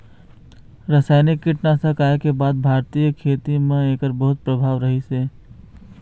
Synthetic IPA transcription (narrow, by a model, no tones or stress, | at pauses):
ɾəsaːɪnɪkːiʈnasəkaːekebaːd̪̚bʱaːɾt̪ijəkʰeːt̪imẽeːkəɾbəɦʊt̪̚pɾəbʱaːʋɾəɦiseː